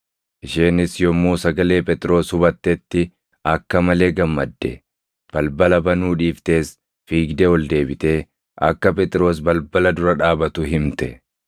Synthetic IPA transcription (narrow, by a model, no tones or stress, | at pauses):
ʔɪʃeːnɪsjɔmːuːsɐɡɐle̞ːpɛt̪ʼɾo̞ːshʊbɐt̪ːɛt̪ːɪ | ɐkːɐmɐle̞ːɡɐmːɐd̪ːɛ̰ | b̥ɐlbɐlɐbɐnuːᶑiːft̪e̞ːs | fiːɡd̪ɛwɔld̪e̞ːbɪt̪e̞ː | ʔɐ̰kːɐp̬ɛt̪ʼɾo̞ːs̬bɐlbɐlɐd̪ʊɾɐᶑaːbɐt̪ʊɦɪmt̪ɛ